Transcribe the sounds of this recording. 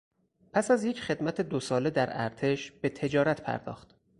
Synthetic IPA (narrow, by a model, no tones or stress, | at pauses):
pʰæsæzjecʰχe̞d̪mæt̪ʰed̪osɒːle̞d̪æɾæ̰ɾt̪ʰe̞ʃbe̞t̪ʰe̞d͡ʒɒːɾæt̪ʰpʰæ̰ɾd̪ɒ̰ːxt̪